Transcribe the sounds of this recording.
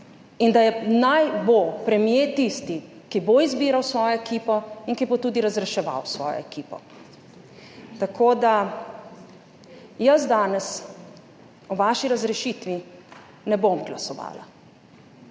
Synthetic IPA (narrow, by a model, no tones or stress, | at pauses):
ind̪ajɛnajbopɾɛmjet̪ist̪i | kiboizbiːɾawsʋɔːjɔɛkiːpɔiŋkibot̪uːd̪iɾazɾɛʃɛʋa̰wsʋɔ̰ːjɔ̰ɛkiːpɔ̰ | t̪akʰoːd̪a | jəzd̪aːnɛs | ɔʋaːʃiɾazɾɛʃit̪ʋi | nɛbomɡlasɔʋa̰ːla̰